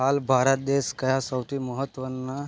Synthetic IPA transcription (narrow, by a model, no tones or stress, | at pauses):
albʱaɾət̪̚d̪eskəjasəwʈʰiːməɦət̪ːʋənːa